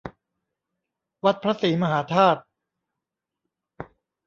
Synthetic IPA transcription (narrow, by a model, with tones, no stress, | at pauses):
wa˦˥t̪̚pʰɾa˦˥siː˩˦ma˧ɦaː˩˦t̪ʰaː˥˩t̪̚